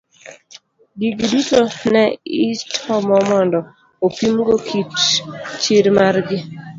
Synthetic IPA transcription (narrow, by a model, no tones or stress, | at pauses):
ɡiɡidutonɛɪtʰɔmɔmɔndɔ | opimɡokʰitt͡ʃiɾmarɡɪ